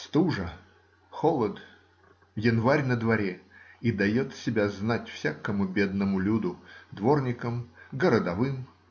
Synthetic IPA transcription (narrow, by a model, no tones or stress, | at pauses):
st̪uʐə | xolˠət̪ | jɪnvaɾʲnəd̪vɐɾʲeid̪ɐjo̞t̪sʲɪbʲaznatʲfsʲakəmʊbʲe̞d̪nəmʊlʲud̪ʊd̪vo̞rnʲɪkəmɡəɾəd̪ɐvɨm